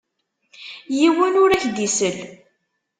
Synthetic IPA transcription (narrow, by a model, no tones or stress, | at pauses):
jiwənʊɾæçd̪isəl